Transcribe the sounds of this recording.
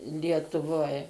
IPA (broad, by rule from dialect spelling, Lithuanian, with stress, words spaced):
lʲiɛtʊˈʋoːj